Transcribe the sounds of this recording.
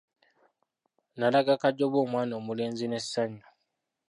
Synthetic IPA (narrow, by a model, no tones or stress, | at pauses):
nalaɡakaɟːo̞βwo̞ːmwaːno̞ːmule̞ːnzine̞ssaɲːo